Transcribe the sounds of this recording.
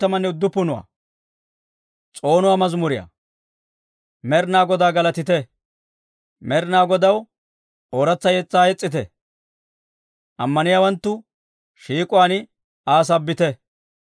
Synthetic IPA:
t̪ːɐmɐnːɛʊd̪ːʊpːʊnʊwa̰ː | t͡sʼo̞ːnʊwaːmɐzmʊɾɪja̰ | mɛɾnaːɡɔd̪aːɡɐlɐt̪ɪt̪ɛ | mɛɾnaːɡɔd̪ɐw | oːɾɐt͡sːɐjɛt͡sːaːjɛt͡sʼːɪt̪ɛ̰ | ʔɐ̰mːɐnɪjaːwɐnt̪ːʊ | ʃiːkʼʊwaːnɪ | aːs̬ɐbːɪt̪ɛ

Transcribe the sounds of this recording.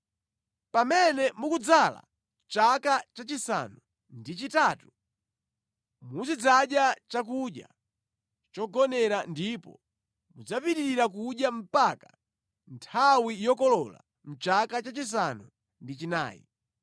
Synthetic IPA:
pamɛnɛmukud͡zala̰ | t͡ʃakat͡ʃat͡ʃisa̰nu | ndit͡ʃitaːtu̥ | muzid͡zaɗjat͡ʃak̬uɗja̰ | t͡ʃɔɡɔnɛɾandipɔ | mud͡zapiɾiɾiɾakuɗjam̩pakḁ | ntʰawijɔkɔlɔla̰ | m̩t͡ʃakat͡ʃat͡ʃis̬anu | ndit͡ʃina̰ːjḭ

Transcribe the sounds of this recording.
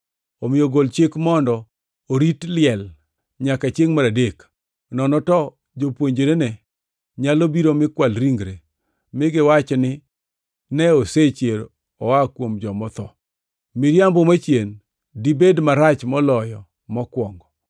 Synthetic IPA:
omɪjoɡolt͡ʃɪkmɔndɔː | ɾitlɪɛl | ɲakat͡ʃeŋmaɾadek | nɔnɔtɔ | d͡ʒopwoɲd͡ʒeɾenɛ | ɲalobiɾomɪkwalɾiŋɡɾe | mɪɡɪwat͡ʃnɪ | nɛoset͡ʃeɾ | ɔwakwomd͡ʒɔmɔt̪ɔ | mɪɾjambomat͡ʃjen | dibedmaɾat͡ʃmɔlɔjɔ | mɔkwɔŋɡɔ

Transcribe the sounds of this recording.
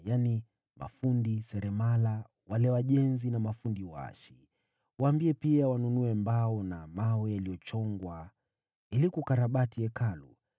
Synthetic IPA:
jani | mʔa̰fundisɛɾɛmala | walɛwaʄɛnzinamafundiwaa̰ʃi | waːmbiɛpiawanunuɛmbaɔnamawɛjaliɔt͡ʃɔŋɡwa | ilikukaɾaɓatiɛkalṵ

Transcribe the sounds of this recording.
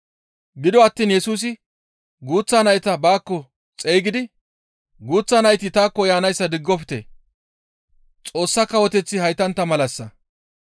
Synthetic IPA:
ɡɪd̪ɔɐt̪ːiːnjɛsuːs̬ɪ | ɡuːt͡sːanɐjt̪ɐbaːkːɔ | t͡sʼejɡɪd̪ɪ | ɡuːt͡sːaːnɐjt̪ɪt̪aːkːɔjaːnɐjsːɐd̪ɪɡːɔpɪ̥t̪ḛː | t͡sʼo̞ːsːɐkːɐwɔt̪ɛt͡sːɪhɐjt̪ɐnt̪ːɐmɐlɐsːɐ

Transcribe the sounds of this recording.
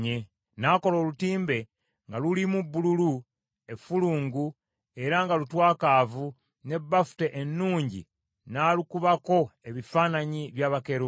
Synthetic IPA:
e | naːko̞lo̞ːlutiːmbe̞ | ŋɡalulimubːululu | e̞fuluːŋɡu | e̞ɾaŋɡalutwaːkaːvu | ne̞bːafu̥te̞ʔenːuːɲɟḭ | naːlukuβako̞e̞βifaːnaɲiβjaːβake̞ɾo

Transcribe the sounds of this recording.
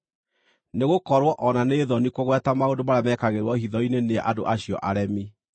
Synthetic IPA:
neɣokɔɾwɔʔɔnaneːðɔnikoɣwɛtamaodomaɾamɛːkaɣeɾwɔhiðɔineneɛ̰ʔado̰ʔaɕiɔʔaɾɛmi

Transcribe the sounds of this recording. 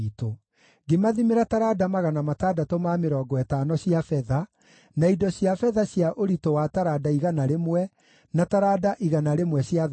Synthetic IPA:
ito | ɡemaðimeɾataɾadamaɣanamataːdatomameɾɔːɡɔɛtanɔɕjafɛða | naidɔɕjafɛðaɕjaʔoɾitowataɾadaiɣanaɾemwɛ | nataɾadaʔiɣanaɾemwɛɕja

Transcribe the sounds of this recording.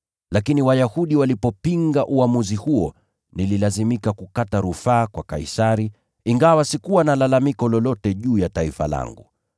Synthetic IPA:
lakiniwajahuɗiwalipɔpiŋɡaʔuamuzihuɔ | nililazimikakukataɾufaːkwaka̰isaɾi | iŋɡawasikuwanalalamikɔlɔlɔtɛʄuːjataifa̰la̰ŋɡṵ

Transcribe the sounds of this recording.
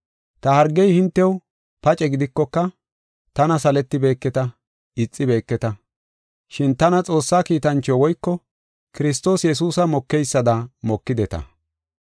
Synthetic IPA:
t̪ɐhɐɾɡːɛjhɪnt̪ːɛw | pɐt͡ʃʼɛɡɪd̪ɪkːɔkːɐ | t̪ɐnɐsɐlɛt̪ːɪbe̞ːkːɛt̪ɐ | ɪt͡sʼːɪbe̞ːkːɛt̪ɐ | ʃɪnt̪ɐnɐt͡sʼo̞ːsːaːkiːt̪ɐnt͡ʃːowɔjkːɔ | kɪɾɪst̪o̞ːsjɛs̬uːsɐmɔkːɛjsːɐd̪ɐmɔkːɪd̪ɛt̪ɐ̰

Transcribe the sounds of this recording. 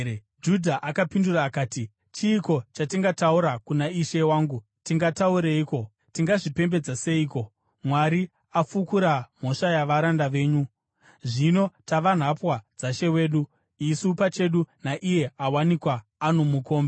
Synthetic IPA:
d͡ʒudʱaʔakapinduraːkaːti | t͡ʃiːko̞t͡ʃatiŋɡatauɾakunaiʃe̞waːŋɡu | tiŋɡatauɾeiːko̞ | tiŋɡaʐipe̞mbe̞d͡zase̞iːko̞ | mwaɾi | afukuɾam̤o̞ʂajaʋaɾandaʋe̞ːɲu | ʐino̞taʋan̤apwad͡zaʃe̞we̞ːɗu | isupat͡ʃe̞ɗunaʔije̞awanikwaːno̞muko̞ːmbe

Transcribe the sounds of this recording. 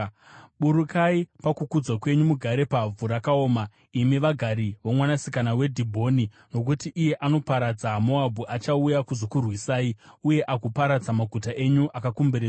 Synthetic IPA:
ɓuɾukaipakukud͡zwakwe̞ɲumuɡʱaɾe̞pavuɾakao̞ːma | imiʋaɡʱaɾiʋomwanasikanawe̞dʱibʱo̞ni | no̞k̬utiʔːje̞ʔano̞paɾad͡zamoabʱuʔat͡ʃaujakuzokurwisaːiuje̞ʔakupaɾad͡zamaɡʱutaʔe̞ɲuʔakakumbeɾe

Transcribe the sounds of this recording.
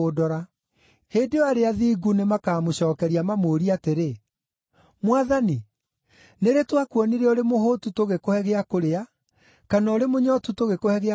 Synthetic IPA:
odɔɾa | heːdeɔaɾeaðiːɡunemakaːmoɕɔːkɛɾiamamoːɾiateɾe | mwaðani | neɾetwakwɔniɾɛɔɾemohotutoɣekohɛɣeakoɾea | kanaɔɾemoɲɔtutoɣekohɛɣe

